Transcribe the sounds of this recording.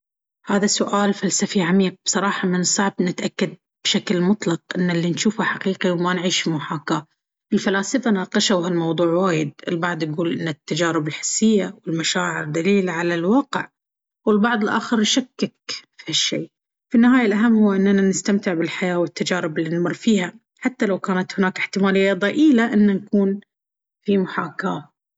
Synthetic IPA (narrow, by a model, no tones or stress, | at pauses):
haːðasʊʔaːlfalsafiʕamiːq̚bsˤɑɾˤɑːħɑmɪnsˤːɑʕbnɪt̪ʔakːad̪̚ | b̥ʃaklmʊt̪ˤlɑq̚ʔɪnːalːinʃuːfhaħaqiːqiwmanʕiːʃmʊħaːka | ʔɪlfalaːsɪfanaːqɑʃawhalmɑwðˤuːʕwaːjɪd̪̚ɪlbɑʕd̪ˤjaɡuːlʔɪnːat̪ːad͡ʒaːɾɪbɪlħɪ̥sːɪjːawɪlmaʃaːʕɪɾd̪aliːlʕalalwɑːqɪʕ | wɪlbɑʕðˤɨlʔa̰ːxɪɾnʃakːɪkfiaʃːḛː | finːɪhaːjalʔaɦamːhʊwːʔɪnːananɪst̪amt̪ɪʕbɪlħajaːwɪt̪ːad͡ʒaːɾɪbɪlːinmɑrˤːfiːha | ħat̪ːalawkaːnat̪hʊnaːkɪħt̪ɪmaːlɪjːad̪ˤɑʔiːlaʔɪnːankuːn | fimʊħaːkaː